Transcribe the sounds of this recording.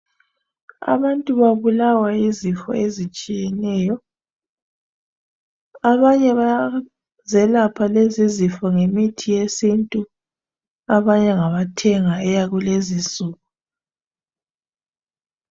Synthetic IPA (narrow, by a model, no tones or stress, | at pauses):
a̰βantʼuβaβulawaizifɔ̰ezit͡ʃʼijɛnɛːjɔ | aβaɲɛβa | zɛlapʰalezizifɔŋemitʰijesintʼu | aβaɲɛŋaβatʰɛŋaɛjaɣulezisuːɣu